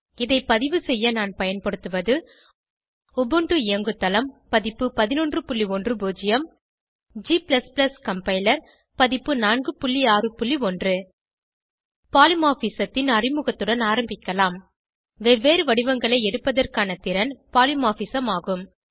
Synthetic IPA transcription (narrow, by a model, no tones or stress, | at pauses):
ɪðɐɪpːɐðɪʋɯsɛjːɐnaːnpɐjɐnpɐɽɯt̪ːɯʋɐðɯ | ɔbɯɳɖɯɪjɐŋɡɯt̪ːɐlɐmpɐðɪpːɯpɐðɪnɔndrɯpʊɭlːiɔndrɯboːd͡ʒɪjɐm | d͡ʒiːplɐsplɐskɐmpɐɪlɐɾ | pɐðɪpːɯnaːnɡɯpʊɭːiaːrɯpʊɭːiɔndrɯ | paːlɪmaːfisɐt̪ːɪnɐrɪmɯɣɐt̪ːɯɽɐnaːɾɐmbɪkːɐlaːm | ʋɛʋeːɾɯʋɐɽɪʋɐŋɡɐɭɐɪɛɽɯpːɐðɐrkaːnɐt̪ɪɾɐnpaːlɪmaːfisɐmaːɣɯm